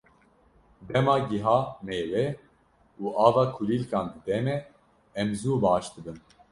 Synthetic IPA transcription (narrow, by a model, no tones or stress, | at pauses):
d̪ɛmɑːɡiɦɑːmeːwɛ | uːʔɑːvɑːkʰuliːlkɑːnd̪ɨd̪ɛmɛ | ɛmzuːbɑːʃd̪ɨbɨn